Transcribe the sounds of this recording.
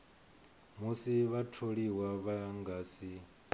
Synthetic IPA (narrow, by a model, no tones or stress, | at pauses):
musiβatʰoɺiwaβaŋɡaːsi